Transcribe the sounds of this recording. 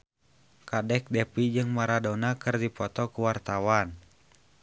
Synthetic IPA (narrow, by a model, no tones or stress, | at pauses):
kadɛk̚dɛpid͡ʒɨŋmaɾadɔnakɨrdipɔt̪ɔkuwart̪awan